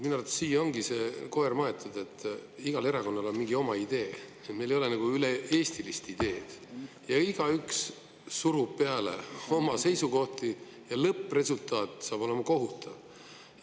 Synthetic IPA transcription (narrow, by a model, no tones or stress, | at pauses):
minuɑrt̪ɑ̥siːjːɑo̞ŋɡiseːko̞ermɑe̞t̪ːˑud̪̥e̞t̪ːˑiɡ̥ɑle̞ɾɑko̞nːɑlo̞nmiŋɡio̞mɑid̪̥e̞ːet̪mejlejo̞lenɑɡ̥uyleeːst̪ilist̪id̪e̞ːd̪̥ | jɑiɡ̥ɑyksː | uɾub̥̚pe̞ɑle̞̰o̞mɑse̞jsuko̞ht̪i | jɑlɤpːˑre̞sult̪ˑɑːt̪sɑːbo̞lemɑko̞ɦut̪ːˑɑv